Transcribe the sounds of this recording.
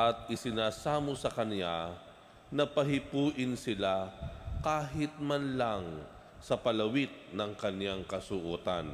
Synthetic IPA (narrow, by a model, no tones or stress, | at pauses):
ʔɐt̪̚ʔɪsɪnaːsaːmosɐkɐnja | nɐpɐɦɪpuːʔɪnsɪlakaːɦɪt̪̚manlaŋ | sɐpɐlɐwɪt̪̚nɐŋkɐnjaŋkɐsʊʔuːt̪a̰n